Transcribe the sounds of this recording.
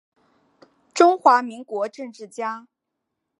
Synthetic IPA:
ʈ͡ʂʊ˥ŋxwa˧˥mi˧˥ŋkwɔ˧˥ʈ͡ʂɤ˥˧ŋʈ͡ʂɻ̩˥˩t͡ɕja˥

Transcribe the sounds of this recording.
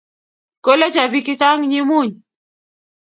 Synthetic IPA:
ko˦le˦t͡ʃa˨bi˦ki˦ta˦ŋɲi˦mu˦˨ɲ

